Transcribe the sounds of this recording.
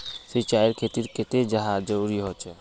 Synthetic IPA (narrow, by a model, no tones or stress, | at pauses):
sit͡ʃaiɾkʰet̪iɾket̪ed͡ʒəɦad͡ʒəɾuɾiɦɔt͡ʃɛ